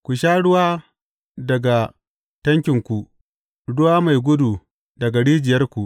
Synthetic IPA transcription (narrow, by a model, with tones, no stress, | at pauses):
kʷu˨ʃaː˦ɽʊ˦waː˦ | dɐ˨ɡa˨ | tɐ˦ŋkʲɪ˨ŋkʷu˨ | ɽʊ˦waː˦ma˨jɡʷʊ˦du˨ | dɐ˨ɡa˨ɽiː˦d͡ʒɪ˨jɐ˦rkʷu˨ʔ